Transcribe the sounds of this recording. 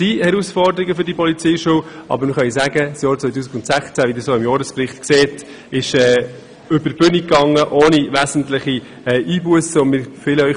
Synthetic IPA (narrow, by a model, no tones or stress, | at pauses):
sihɛɾusfɔɾdəɾiɡəfʏɾdiəpʰɔlit͡siːʃuwʔɑ̰bəɾmɪχœnizæɡəsjɑːɾt͡sʋœʏt̬uːsɪɡʊntsæχt͡sæʋidɪːɾsoːɪmjɔːɾəsprɪχtkseːt | ɪʃɛː | ʏbəb̥ʏnikːɑŋːəʔoːniʋæzən̩tlɪχi | ɛːʔiːbuəsəɔnmɪːɾfɪːləœʏ